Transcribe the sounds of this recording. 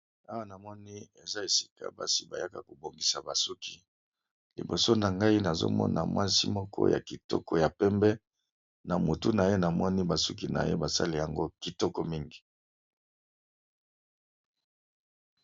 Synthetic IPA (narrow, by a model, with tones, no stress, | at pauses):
a˦wa˦na˨mɔ˦ni˦e˨za˦e˨si̥˦˨ka̰˨ba̰˦si˦ba˨ja˦ka˨ko˨bo˨ŋɡi˨sa˨ba˨su˦kʰi˨ | lḭ˨bo˨so˦na˨ŋɡa˦i˦na˨zo̰˦mɔ̰˦nʔa̰˨mwa˦si˦mɔ˦kʰɔ̰˦jʔa̰˨ki˨tɔ̰˦kɔ˦ja˨pɛ˦mbɛ˦ | na˨mo˨tu˦na˨je˦na˨mɔ˦ni˦ba˨su˦k̬i˨na̰˨je˦ba˨sa̰˦le˨ja˨ŋɡo˦ki˨tɔ˦kɔ˦mi˦ŋɡi̥˨